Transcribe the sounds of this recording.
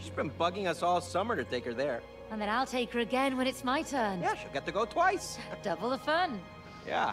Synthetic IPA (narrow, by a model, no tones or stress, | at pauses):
d͡ʒʌsb̥ɨ̃nbʌɡɪ̃ŋʌsɔlˠsʌmə˞ɾɨtʰeɪkə˞ðə˞ | ə̃nðɨ̃naɪlˠtʰeɪkə˞ɨɡɛ̃nwə̃ñɨtsmaɪtʰɜ˞njæʃilˠɡɛt̪ʰɨɡoʊtʰw̥aɪsd̥ʌbl̩ˠəfʌn | jæ̰